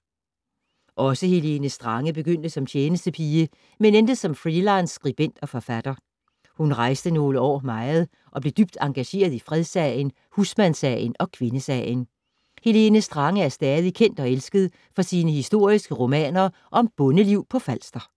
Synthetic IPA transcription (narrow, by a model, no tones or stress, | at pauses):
ʔɒ̽səhe̝le̝nəsd̥ʁɑ̈ŋəb̥e̝ɡ̥øn̰d̥əsɒ̽mt͡ɕʰjeːnəsd̥əpʰiːə | menend̥əðsɒ̽mfʁilɑ̈ɪnsːɡ̥ʁib̥en̰d̥ɒ̽fɒfæd̥ɐ | hunʁɑ̈ɪsd̥əno̝ːləɒ̰ːmɑ̈ɪð̩ˠ | ʔɒ̽b̥le̝d̥yb̥̚d̥ɑ̈ŋɡ̥æɕe̝̰ːɐð̞ˠifʁɛð̞ˠsɛɪən | husmænsɛ̰ɪənɒ̽kʰʋe̝nəsɛ̰ɪjən | he̝le̝nəsd̥ʁɑ̈ŋəæɐsd̥ɛːðˠikʰen̰d̥ɒ̽elsɡ̥əðˠ | fɒ̽siːnəɦisd̥o̝ɐ̰isɡ̥əʁo̝mɛ̰ːnɐ | ʔɒ̽mb̥ɔ̽nəliʊ̰pʰɒ̽fæl̰sd̥ɐ